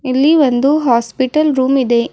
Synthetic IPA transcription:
ilːiʋond̪uɦaːspiʈɐlɾuːmid̪e̞

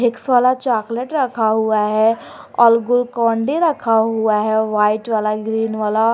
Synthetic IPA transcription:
ɦɪksʋaːlat͡ʃaːkleʈɾɐkʰaɦuaɦɛ | ɔːlɡʊlkɔ̃ːɳɖiɾɐkʰaɦuaɦɛʋaːɪʈʋaːlaɡɾiːnʋaːla

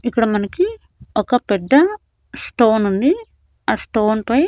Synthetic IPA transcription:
ikːɐɽɐmɐnɐki | ɔkɐpɛd̪ːɐ | sʈoːnunɖ̪i | aːsʈoːnpɐj

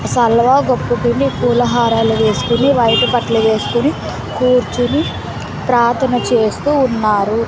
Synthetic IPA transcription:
sɐlʋaːɡopːukinːikuːlɐɦaːɾaːluʋe̞ːsu̥kuniʋɐjʈɐpɐʈlɐʋe̞ːsu̥kuni | kuːɾt͡ʃuni | pɾaːt̪ʰɐnɐt͡ʃe̞ːst̪uːnːaːɾu

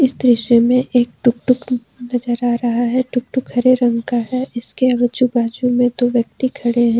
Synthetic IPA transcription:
ɪsd̪ɾɪʃemẽʔʔeːk̚ʈʊk̚ʈʊk | nɐd͡ʒəɾaːɾɐɦaɦɛʈʊk̚ʈʊkʰːɐɾeɾə̃ŋɡkaɦɛɪskeɐɡɾd͡ʒubaːd͡ʒumẽd̪oːʋjɐk̚t̪ikʰɐɽeɦɛ̃ː

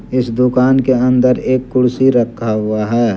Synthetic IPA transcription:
ɪsd̪ʊkaːnkeɐ̃nd̪əɾeːkːʊɽsiɾəkʰːaɦʊaɦɛː

